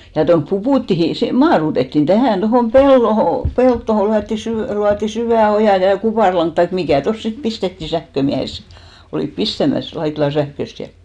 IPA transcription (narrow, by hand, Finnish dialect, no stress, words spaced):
jɑ tonp pupuˑtːihi se mɑːrutetːin tæhæˑn tohoˑm pelːoho peltːoho lyætːi sy luɑtːi syʋæˑ ojɑˑ jɑ kupɑˑrlɑŋk tɑi mikæˑ tos sit pistetːiˑ sæhkømiæhes se oliˑp pistæmæs lɑitlɑn̞ sæhkøst jɑ